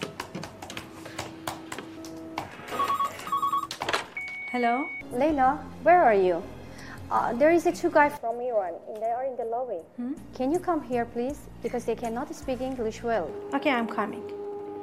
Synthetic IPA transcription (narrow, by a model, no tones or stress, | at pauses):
hɛloleɪlawɛɹaɹjṵ | d̪ɛɹizətʰuɡaɪfɹɔ̃mːiwʌ̃nɪ̃nd̪əəɹɪ̃nd̪əlɔwekʰɛ̃njukʰʌ̃mɦiɹpʰliz̥ | bikɔzd̪ekʰɛ̃nɔtspikɪ̃ŋlɪʃwɛlˠokʰeãjmkʰɑmḭ̃ŋ